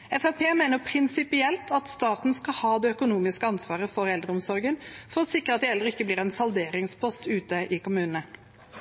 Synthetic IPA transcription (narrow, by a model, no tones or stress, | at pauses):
ɛfæpʰeːmeːnəpʰɾɪnsɪpɪɛlt̪ʰɑt̪st̪ɑːt̪n̩skɑlhɑːd̪ɛːœkʊnuːmɪskəɑnsʋɑːʁəfɔɾɛld̪ɾəʊmsɔɾɡənfɔɾɔsɪkːəɑt̪d̪ɪɛld̪ɾəɪkːəbliːʁɛnsɑld̪eːɾɪŋspʰɔst̪ʉːt̪əʔɪkʊmʉːnənə